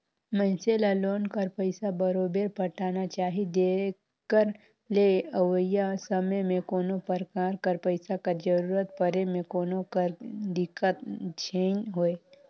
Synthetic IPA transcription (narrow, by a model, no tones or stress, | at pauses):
mə̃ɪnselaloːnkəɾpəɪsabəɾoːbeɾpəʈaːnat͡ʃaːɦid̪e | kːəɾ | leəʋəjasəməjmẽkoːnopəɾkaːɾkəɾpəɪsakad͡ʒəɾuːɾət̪̚pəɾemẽkoːnokəɾd̪ɪkət̪t͡ʃʰeːnɦoːe